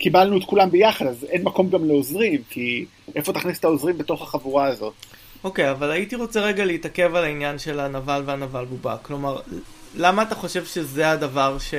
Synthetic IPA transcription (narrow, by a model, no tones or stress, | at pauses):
kibalnuet̪kulambejaχadazenmako̞mɡamleozʁimkʰi | ʔefo̞t̪aχnise̥t̪aozʁimbet̪o̞χaχavuʁaːzo̞t | o̞ke̞javalaitiʁo̞t͡seʁeɡaleitake̞valainjanʃe̞lanavalveanavalbuba̰klo̞maʁlamaːtaχo̞ʃe̞vʃe̞zeadavaʁʃe